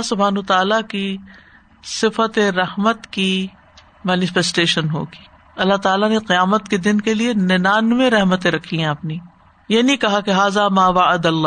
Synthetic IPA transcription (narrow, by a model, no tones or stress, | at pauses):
ɦsʊbʱaːnuːt̪aːlaki | sɪfət̪eɾɐɦmət̪ki | mɛːnɪfɛsʈeːʃənɦo̰ːɡi̥ː | ɐlːaɦt̪aːlaneqɪjaːmət̪ked̪ɪnkelienɪnaːnmẽɾɛɦmət̪ẽɾɐkʰːiɦɛ̃ɐpni | jenĩkɐɦakeɦaːzamaːʋaʕɐd̪ɐlːaː